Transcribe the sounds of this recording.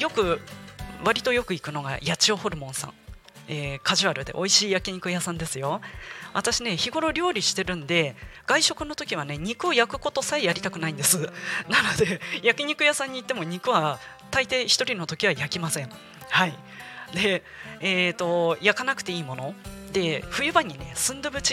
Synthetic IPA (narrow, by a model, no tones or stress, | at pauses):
jo̞kɯ̟ | βaɾʲit̪o̞jo̞kɯ̟ikɯ̟no̞ɡa̰jat͡ɕio̞ho̞ɾɯ̟mõ̞ɰ̃sã̰ɴ | eːkaʑiβaɾɯ̟d̪e̞̰ʔo̞iɕiːjakʲiɲ̟ikɯ̟jasãnd̪e̞sɨjo̞βa̰t̪aɕine̞çiɡo̞ɾo̞ɾʲo̞ːɾʲiɕi̥t̪e̞ɾɯ̟̃nd̪e̞ɡ̥aiɕo̞kɯ̟no̞t̪o̞kʲiβ̞ane̞ɲ̟ikɯ̟ojakɯ̟ko̞t̪o̞saejaɾʲit̪akɯ̟naĩnd̪e̞sɨnano̞d̪e̞jakʲiɲ̟ikɯ̟jasãɲ̟ːiːt̪ːe̞mo̞ɲ̟ikɯ̟βa | t̪ait̪e̞çi̥t̪o̞ɾʲino̞t̪o̞kʲiβ̞ajakʲimasẽ̞ɴ | hai | d̪e̞ː | t̪o̞jakanakɯ̟̥t̪e̞iːmo̞no̞d̪e̞ɸɯ̟jɯ̟baɲ̟ːine̞sɨ̃nd̪ɯbɯ̟t͡ɕi